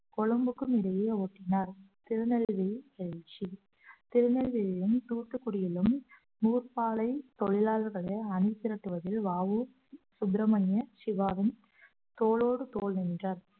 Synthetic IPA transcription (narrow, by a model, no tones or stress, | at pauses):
kɔɻɐmbɯkːɯmɪɾɐjejɐoːʈːɪnaːɾt̪ɪɾɯnɛlʋiɛt͡ʃːi | t̪ɪɾɯnɛlʋɪjɪlɪnt̪uːrt̪ːɯkːʊɽɪjɪlɯm | nuːrpaːlɐɪt̪ɔɻɪlaːlɣɐɭɐɪɐnɪt̪ːɪɾɐʈːɯʋɐðɪlʋaːʋɯ | sʊd̪ɾɐmɐnjɐʃɪʋaːʋɪn | t̪oːɭoːɽɯt̪oːlnɛndrɐɾ